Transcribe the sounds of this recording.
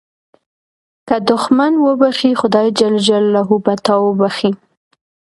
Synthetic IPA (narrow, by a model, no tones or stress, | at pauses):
kad̪ʊxmanwəbaxixʊd̪ɑjd͡ʒald͡ʒalːaɦubat̪ɑwəbaxi